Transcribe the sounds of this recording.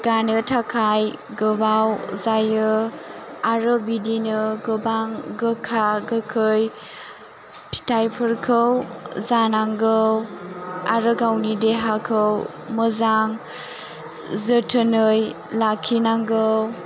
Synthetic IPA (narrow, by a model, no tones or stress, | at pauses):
ɡ̥anɯtʰakʰajɡɯbawzajɯ | aɾɯbidinɯɡɯbaŋɡɯkʰaɡɯkʰɯj | pʰi̥tʰajpʰɯɾkʰɯwzanaŋɡəw | a̰ɾɯɡawnideɦakʰɯw | məzaŋ | zətʰənɯj | lakʰinaŋɡɯw